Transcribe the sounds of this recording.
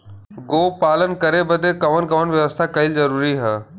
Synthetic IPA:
ɡoːpaːlənkɐɾebəd̪ekɐʋənkɐʋənʋjɐʋəst̪ʰakɐɪlzɐɾuːɾiɦə

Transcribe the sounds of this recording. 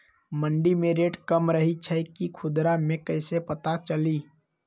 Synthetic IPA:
məɳɖimẽɾeːʈkəmɾəɦit͡ʃʰəkikʰʊd̪ɾamẽkəɪsepət̪at͡ʃəliː

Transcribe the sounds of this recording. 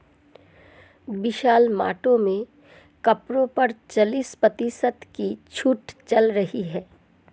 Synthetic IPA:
bɪʃaːlma̰ːʈõmẽ | kɐpɾõpɐɾt͡ʃɐliːspɐt̪isət̪kit͡ʃʰuʈt͡ʃɐlɾɐɦiɦɛː

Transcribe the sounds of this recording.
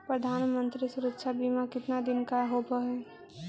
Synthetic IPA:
pɾəd̪ʱaːnmə̃nt̪ɾisʊɾəkʃabimãkɪt̪nad̪ɪnkaɦobəɦɛ

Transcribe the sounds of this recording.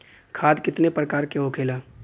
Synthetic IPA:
kʰaːd̪kɪt̪nepɾəkaːɾkeɦokʰeːlaː

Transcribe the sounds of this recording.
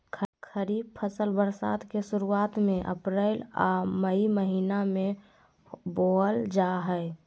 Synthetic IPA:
kʰəɾiːb̚pʰəsəlbəɾsa̰ːd̪kesʊɾuaːt̪mẽʔə̰pɾela̰məiməɦiːnamẽ | bold͡ʒaɦɛɪ

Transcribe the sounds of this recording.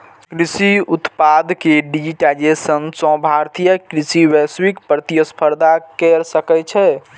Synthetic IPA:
kɾisiut̪pad̪ʱkeɖid͡ʒiʈajd͡ʒesənsɔ̃bʱaɾt̪ʰijəkɾisiwɛswikpɾət̪ijəspʰəɾd̪ʱakɛɾsəkɛt͡ʃʰɛ

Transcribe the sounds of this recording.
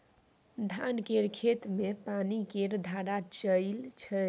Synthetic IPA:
d̪ʱankeɾkʰet̪mepanikeɾd̪ʱaɾat͡ʃəɪlt͡ʃʰə

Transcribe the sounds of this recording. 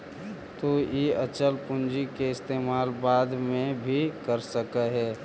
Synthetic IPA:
t̪ojeət͡ʃəlpʊ̃nd͡ʒikeɪst̪eːmaːlbaːd̪mẽbʱikəɾsəkəɦɛː

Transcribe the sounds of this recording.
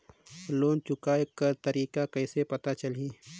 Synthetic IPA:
loːnt͡ʃʊkaːekɐɾt̪ɐɾiːkakɐɪsepɐt̪at͡ʃɐliː

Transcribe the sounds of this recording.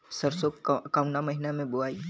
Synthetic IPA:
sɐɾsokaʊnamɐɦɪnamẽbʊaːi

